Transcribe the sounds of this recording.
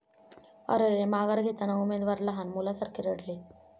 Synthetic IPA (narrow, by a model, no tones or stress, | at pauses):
ɔ̰ɾeɾemaɡaɾɡʱet̪anaumed̪ʋaɾlaɦanmulasaɾkʰiɾəɽle